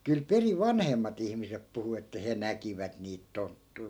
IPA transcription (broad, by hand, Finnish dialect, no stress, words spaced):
kyl periʋ̆ ʋɑnhemːɑt ihmisep puhu etːæ he nækiʋæt niːt tontːui̯